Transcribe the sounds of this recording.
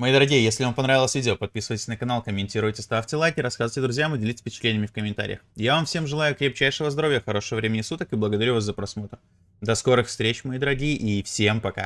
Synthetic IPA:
mɐid̪əɾɐɡʲijəjesʲlʲɪvampɐnɾavɪlˠəsʲvʲidʲɪopɐt̪̚pʲisɨvəjtʲɪsʲnəkɐnalˠkəmʲɪnʲtʲiɾʊjtʲɪst̪aftʲɪlˠajkʲɪɾɐskazəvtʲɪd̪ɾʊzʲjamɨdʲɪlʲitʲɪsʲfʲpʲɪt͡ɕɪ̥t̪lʲenʲɪəmʲɪfkəmʲɪnt̪a̰ɾʲɪ̰jə̰xjavamfsʲe̞mʐɨlˠajʊkɾʲep̚t͡ɕæjʂɨvəzd̪ɐɾo̞vɪjəxɐɾo̞ʂəvəvɾʲemʲɪnʲɪsut̪əkɨblˠəɡəd̪ɐɾʲuvaszəpɾɐsmo̞t̪ɾ | d̪ɐsko̞ɾɨxfst̪ɾʲet͡ɕmɐid̪əɾɐɡʲijəʔifsʲe̞mpɐka̰

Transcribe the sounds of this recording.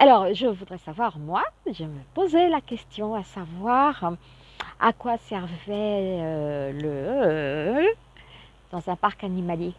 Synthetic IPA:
alɔʁʒəvud̪ʁɛsavwaʁmwaʒəməpozelakʲɛst̪jɔ̃asavwaʁ | a̰kwasɛʁvɛølə | d̪̥ɑ̃zɛ̃paʁkanimalje

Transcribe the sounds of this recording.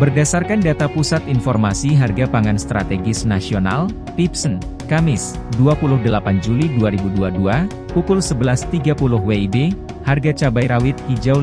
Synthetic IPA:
bərdasarkandat̪apusat̪infɔrmasiɦarɡapaŋanst̪ɾa̰t̪eɡɪsnasiona̰l | pipsən | kamɪsduapulʊhdəlapand͡ʒuliduaɾibuduadua | pukʊlsəbəlast̪iɡapulʊhweibe | harɡat͡ʃabajɾawɪt̪̚kid͡ʒaw

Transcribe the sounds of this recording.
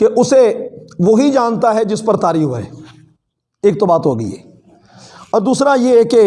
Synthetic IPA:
keʔʊseʋoɦid͡ʒaːnt̪aɦɛd͡ʒɪspɐɾt̪aːɾiːfɦuaɛ̰ː | eːk̚t̪obaːt̪ɦoːɡəḭɦɛː | ɔːɾd̪uːsɾajeːke

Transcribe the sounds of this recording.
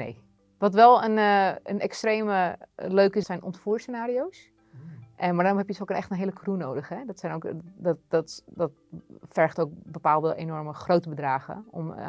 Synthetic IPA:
nḛj | ʋɑtʋɛlˠənənʔɛkstrejməløɥkɪsɛjnʔɔntfuːɹsənaːɾiows | ʔɛmaɹdaːrɔmɦɛpjədsokənɛχtənɦejləkrunowdəχɦɛdɔtsɛjnowkdɔtdɔtdɔt | fɛɹχtowk̚bəpaːlˠdəʔḛnɔɹməχrowtəbədraːχə̰ɔ̰m

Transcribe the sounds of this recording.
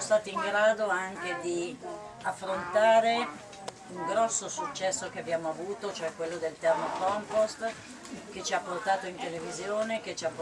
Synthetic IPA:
ost̪aːt̪iiŋɡɾaːd̪oaŋk̟ed̪i | afːɾont̪aːɾe | uŋɡɾɔsːosut͡ʃːɛsːokeabjaːmoavuːt̪ot͡ʃoɛkːwelːod̪elt̪ɛrmokɔmpost̪ | ket͡ʃiapːort̪aːt̪oint̪elevizjoːneket͡ʃiapː

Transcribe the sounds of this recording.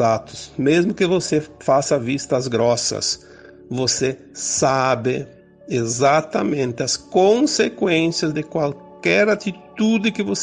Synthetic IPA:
at̪ʊ̥smezmʊkɪvosefasɐvist̪ɐzɡɾɔsɐ̰s | vose | sabɪ | ezat̪ɐmẽnt̪ɪɐskõnsekwẽnsjɐzd̪ɪkwalkɛɾat̪it̪ud̪ɪkɪvos

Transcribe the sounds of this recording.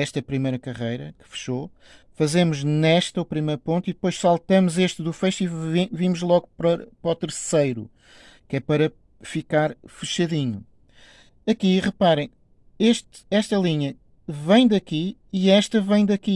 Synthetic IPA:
ɛʃt̪ɐpɾimɐjɾɐkɐʁɐjɾɐkɨ̥fɨ̥ʃo | fɐzemuʒnɛʃt̪ɐupɾimɐjɾupõnt̪iðɨpojʃsalˠt̪ɐmuzeʃt̪ðufɐjʃt̪ivivimuʒlˠɔɣupɾɐpɾɔt̪ɨɾsɐjɾṵ | kɛpɐɾɐ | fikaɾfɨʃɐðiɲu | ɐkiʁɨpaɾɐ̃j̃ | eʃt̪ | ɛʃt̪ɐlˠiɲɐ | vɐ̃j̃d̪ɐkiiɛʃt̪ɐvɐ̃j̃d̪ɐki

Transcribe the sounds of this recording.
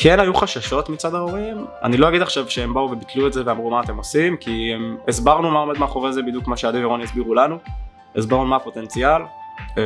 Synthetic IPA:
kʰenajuχaʃaʃo̞tmit͡sadaoʁima̰nilo̞aɡid̪aχʃavʃeembauvebit̪luetzeveamʁumaːt̪e̞mo̞simkiemesbaʁnumaomed̪meaχoʁezebid̪jukmaʃeadiveo̞njisbiʁulanu | esbaʁnumapo̞t̪e̞nt͡sial

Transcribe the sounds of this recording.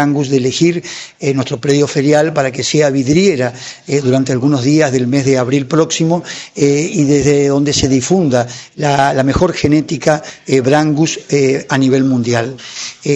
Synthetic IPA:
aŋɡusðelexiɾenwest̪ɾo̞pɾe̞ðjo̞fe̞ɾjalpaɾak̬e̞seaβiðɾjeɾaeðuɾant̪ealɣuno̞zðiazðe̞lme̞zðeaβɾilpɾo̞ksimo̞ | iðezðeðo̞nd̪ese̞ðifund̪alalame̞xo̞ɾxe̞ne̞t̪ikaβɾaŋɡusaniβ̞e̞lmũnd̪jal

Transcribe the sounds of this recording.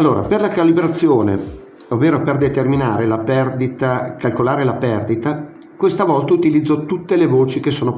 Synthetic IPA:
alːoːɾa̰perlakalibɾat̪sːjoːnḛ | ovːeːɾoperd̪et̪ermina̰ːɾelapɛrd̪it̪akalkolaːɾelapɛrd̪it̪a | kwest̪avɔlt̪aut̪ilid̪zːot̪ut̪ːelevoːt͡ʃikesoːno

